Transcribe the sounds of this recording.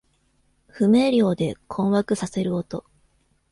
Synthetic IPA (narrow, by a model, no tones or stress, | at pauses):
ɸɯ̟me̞ːɾʲjo̞ːd̪e̞kʰõ̞ɰ̃βakɯ̟sase̞ɾɯ̟ot̪o̞